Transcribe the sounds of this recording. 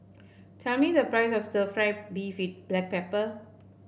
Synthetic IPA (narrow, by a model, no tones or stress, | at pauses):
tʰɛlmidəpɹaɪsɔfstəfɹaɪp̚bifit̚b̥lɛk̚pɛpə